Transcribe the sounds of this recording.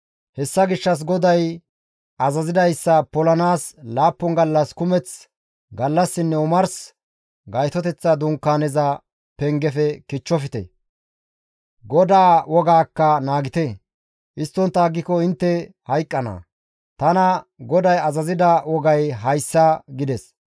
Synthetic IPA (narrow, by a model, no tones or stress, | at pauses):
hɛsːɐɡɪʃːɐs̬ɡɔd̪ɐj | ɐzɐzɪd̪ɐjsːɐpɔlɐnaːslaːpːɔŋɡɐlːɐskʊmɛt͡s | ɡɐlːɐsːɪnːɛʊmɐɾs | ɡɐjt̪ɔt̪ɛt͡sːɐd̪ʊŋkːaːnɛzɐ | pɛŋɡɛfɛkɪt͡ʃːɔfɪt̪ɛ̰ | ɡɔd̪aːwɔɡaːkːɐnaːɡɪt̪ɛ | ʔɪst̪ːɔnt̪ːaːɡːɪkɔɪnt̪ːɛ | hɐjkʼːɐnɐ̰ | t̪ɐnɐɡɔd̪ɐjɐzɐzɪd̪ɐwɔɡɐjɦɐjsːɐɡɪd̪ɛs